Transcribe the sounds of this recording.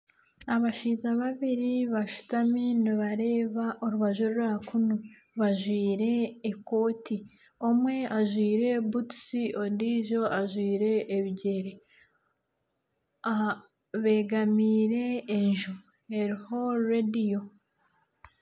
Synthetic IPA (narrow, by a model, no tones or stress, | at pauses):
aβaʃiːzaβaβiɾiβaʃu̥tamiːniβaɾe̞ːβaʔoɾuβaʒoɾuɾakunu | βaʒwiːɾe̞ːko̞ːti | omwe̞aʒwiːɾe̞butu̥siʔondiːʒo̞ʔaʒwiːɾe̞ʔːβiɟeɾe | a | βe̞ːɡamiːɾe̞ːɲʒu | eɾiho̞ɾedijo̞